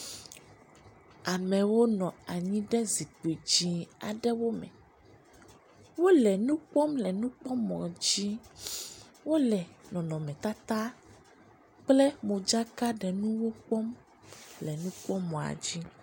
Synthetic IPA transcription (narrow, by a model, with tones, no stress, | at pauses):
a˨mɛ̃˨wo˦nɔ̃˨a˨ɲĩ˦ɖɛ˦zi˨k͡pi˨d͡ʒĩ˨a̰˨ɖɛ˦wo˦mɛ̰̃˨ | wo˦lɛ˨nũ˦k͡pɔ˦mlɛ˨nũ˦k͡pɔ˦mɔ̰̃˨d͡ʑi˦ | wo˦lɛ˨nɔ̃˨nɔ̃˨mɛ̃˨t̪a˦t̪a˦ | k͡plɛ˦mõ˨d͡ʒa˦ka˦ɖɛ˨nũ˦wo˦k͡pɔ˦m | lɛ˨nũ˦k͡pɔ˦mɔ̃˨a̰˨d͡ʑi˦